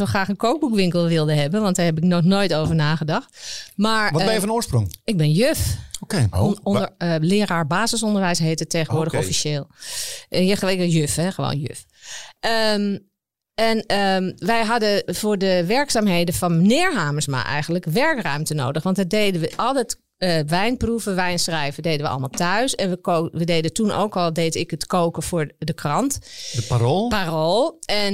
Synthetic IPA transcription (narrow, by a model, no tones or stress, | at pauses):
soxraːxənkʰoːk̚bukʋɪŋkəlˠʋɪlˠdəɦɛbənʋɑntdaɹhɦɛp̬ɪknɔxnoːjtoːvəɹnaːɣədɑxtmaːɹɔbɛjəfɔnoːsprʊ̰ŋɪɡ̚bɪnjøfokenəlɪːɾaːɹbaːzəsɔndəɹʋɛjsɦeːtətːeːɣəʋʊɹdəxɔfiʃeːlˠ | jəɪjøfɛxəʋo̰ːnjø̰f | ʔəm | ɛnəʋɛjɦɑdəvʊːɹdəʋɛɹksaːmɦejdəfɔnnɪːɹɦaːməsma̰ʔɛ̰jɣəndləkʋɛɹkrœɥmtəno̰ːwdəχʋɑntdadejdəʋəʔɔlˠdɛt | əʋɛjnpruvəʋɛjnsrɛjvədejdənʋəɑ̰lˠmalˠtœɥsɛnʋəoʋədejdətunʔo̰wkɔlˠdeːtɪkətkowkəfʊːɹdəkʰrɑntparolparolˠɛn